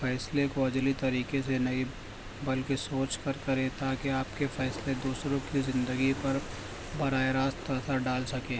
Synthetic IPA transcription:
fɛːslekoɐd͡ʒlit̪ɐɾiːkes̬enɐɦĩ | bɐlkesoːt͡ʃkɐɾkɐɾẽt̪aːkeaːpkefɛːsled̪uːsɾõkizɪ̃nd̪əɡipɐɾ | bɐɾaːeɾaːst̪ɐsaɖaːlsɐkẽː

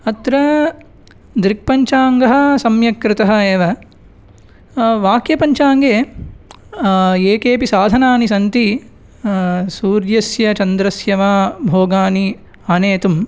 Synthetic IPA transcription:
ɐt̪ɾɐ | d̪ɾik̚pɐɲt͡ʃaːŋɡɐɦɐ̆sɐmjɐkɾɪt̪ɐɦɐeːʋɐ | ʋaːkjɐpɐɲt͡ʃaːŋɡeː | eːkeːpisaːd̪ʱɐnaːnisɐnt̪i | suːɾjɐsjɐt͡ʃɐnd̪ɾɐsjɐʋaːbʱoːɡaːni | ɐneːt̪um

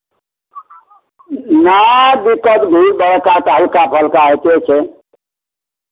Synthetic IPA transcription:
nad̪ikət̪ɡʱubəɽ̤kat̪ɦəlkapʰəlkaɦet̪et͡ʃʰɛ

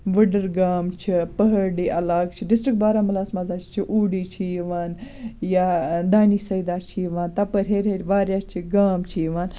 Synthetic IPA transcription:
ʋəɖəɾɡaːmt͡ʃʰipəɦɐɾɖiːʔɐlaːɡ̚t͡ʃʰiɖɪsʈɾikʈ̚baːɾaːmɐlaːsmazaːt͡ʃʰt͡ʃʰiʔuːɖiːt͡ʃʰijʋaːnjad̪aːniːsɐjd̪aːt͡ʃʰiʋaːnt̪ɐpəɾʲɦeːɾʲɦeɾʲʋaːɾjaːt͡ʃʰiɡaːmt͡ʃʰiːʋaːn

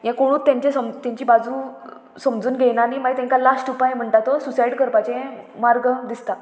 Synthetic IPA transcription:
jɛ̃koɽ̃ũːtt̪ːjãɲt͡ɕesəmt̪ãɲt͡ɕiːbad͡zuː | səmd͡zuːnɡʱenanimaɡit̪ɛ̃ŋkalasʈupajm̤əɳʈ̪at̪osusaiɽkəɾpat͡ɕẽmaɾɡd̪ist̪a

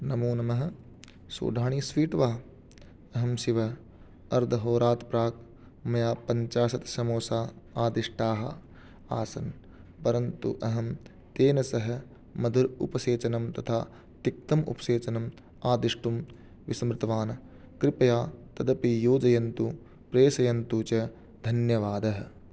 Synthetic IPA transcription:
nɐmuːnɐmɐɦɐ̆ | so̰ːd̪ʱaːɳiːsʋiːʈʋaː | ɐɦɐmsiʋɐ | ɐɾd̪ʱɐɦoːɾaːt̪pɾaːk | mɐjaːpɐɲt͡ʃaːsɐt̪ʃɐmoːsaːaːd̪iʂʈaːɦɐ̰ | aːsɐn | pɐɾɐnt̪ṵʔɐɦɐm | t̪eːnɐsɐɦɐ̆ | mɐd̪ʱuɾṵpɐseːt͡ʃɐnɐmt̪ɐt̪ʰaː | t̪ik̚t̪ɐmṵpɐʃeːt͡ʃɐnɐm | aːd̪iʂʈum | ʋisɐmɾɪt̪ɐʋaːnɐ | kɾɪpɐjaːt̪ɐd̪ɐpijoːd͡ʒɐjɐnt̪u | pɾeːsɐjɐnt̪ut͡ʃɐ | d̪ʱɐnjɐʋaːd̪ɐɦɐ̆

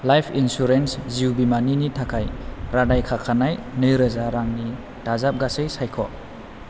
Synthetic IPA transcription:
lajpʰinsuɾensziwbimaninitʰakʰajɾadajkʰakʰanajnɯjɾəzaɾaŋni | tazap̚ɡasejsajkʰɔ

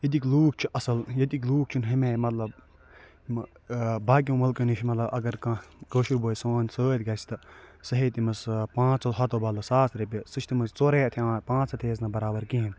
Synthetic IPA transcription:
jɐd̪ikluːk̚t͡ʃʰiʔɐsɐljɐd̪ikluːk̚t͡ʃʰunɦɐmeːmɐt̪lɐb | baːk̬ʲjõːmɐlkɐnit͡ʃʰimɐt̪lɐbɐɡɐɾkãkoːʃiɾboːjsoːnʲsoːt̪ʲɡɐːsʲi̥t̪ɐsɐɦet̪imɐspãːt͡sɐɦɐt̪obaːlɐsaːsʰɾɐbʲɐsɨt͡ʃʰt̪imɐzt͡soːɾeːt̪ʰiãːpãːt͡sɐt̪ʰeːznɐbɐɾaːbɐɾkiɦin

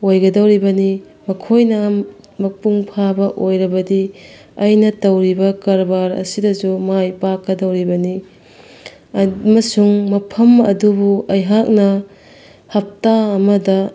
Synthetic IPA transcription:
ojɡɐdɐwɾibɐni | mɐkʰojnɐ | mɐpuŋpʰabɐʔojɾɐbɐdi | ɐjnɐtɐwɾibɐkɐɾbaɾɐ̰sidɐzumajpakːɐdɐwɾibɐni | mɐsuŋmɐpʰɐmɐdubuɐjɦak̚nɐ | hɐp̚taːmɐdɐ

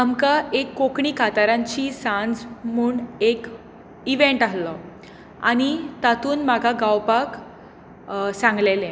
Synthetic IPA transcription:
amkaʔekːokɳikʰat̪aɾãɲt͡ɕiːsãnd͡zm̤uːɳek | iʋeɳʈalːɔ | a̰ñit̪at̪uːnmaɡʱaɡawpak | sãŋɡlelɛ̃

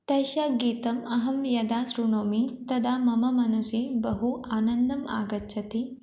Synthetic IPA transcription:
t̪ɐʃaːɡiːt̪ɐmɐɦɐmjɐd̪aːsɾunoːmit̪ɐd̪aːmɐmɐmɐnusibɐɦuʔaːnɐnd̪ɐma̰ːɡɐtːʃʰɐt̪e

